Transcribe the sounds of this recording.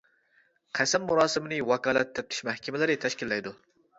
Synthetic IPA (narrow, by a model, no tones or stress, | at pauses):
qʰæsɛmːuɾɑːsɨmɨnɪwɑkɑːlˠɛ̰t̪ʰːɛp̚t̪ʰɪ̥ʃmɛhkʲʰɛmɛlɪɾɪt̪ʰɛʃkʲilːɛjd̪u